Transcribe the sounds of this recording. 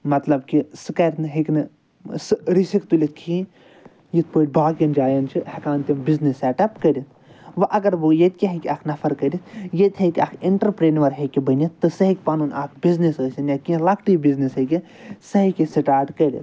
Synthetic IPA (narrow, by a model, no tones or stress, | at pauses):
mɐt̪lɐbkisɨkɐɾt̪nɨɦikʲnɨ | sɨɾisikt̪ulʲit̪̚ʰkʰĩ | jit̪̚ʰpəːʈ̚ʲbaːkind͡ʒaːjɐnt͡ʃʰihɐkaːnt̪ʲimbiznisɛːʈɐpkɐɾʲit̪ʰ | ʋɐʔɐɡɐɾʋɨjet̪̚kʲiɦikʲiaːkʰnɐfʰɐɾkɐɾʲit̪ʰjet̪ʲɦek̪ʲiaːkʰiɳʈɐɾpɾeːnʋɐɾɦekʲibɐnʲit̪ːɨsɐɦikʲpanuːnʲaːkʰbiznisəːsʲɐnjaːkʲĩlɐkʈibiznisɦɐkʲi | sɐɦikʲisiʈaːʈkɐɾʲḭt̪̚